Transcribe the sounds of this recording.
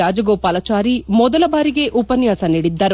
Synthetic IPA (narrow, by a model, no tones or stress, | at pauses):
aːd͡ʒɐɡoːpaːlɐt͡ʃaːɾimɔd̪ɐlɐbaːɾiɡe̞ʔupɐnjaːsɐniɽid̪ːɐɾ